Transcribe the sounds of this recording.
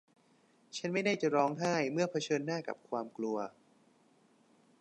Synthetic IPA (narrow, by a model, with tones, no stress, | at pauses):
t͡ɕʰa˦˥nma˥˩jda˥˩jt͡ɕa˨˩ɾɔː˦˥ŋɦaː˥˩jmɯ˥˩ɐpʰa˧t͡ɕʰɤː˧nːaː˥˩ka̰˨˩p̚kʰwaː˧mklu˧ɐ